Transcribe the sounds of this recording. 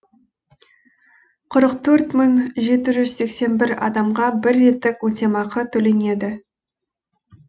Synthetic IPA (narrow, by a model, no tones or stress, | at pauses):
qʰʊɾəqt̪ʰɵɾt̪mʏŋʒe̞t̪ɪʒʏz̥se̞kse̞nbɪɾɑ̰d̪ɑmʁɑbɪɾːe̞t̪ːɪkwot̪ʲemɑqʰət̪ʰɵle̞ne̞d̪ɪ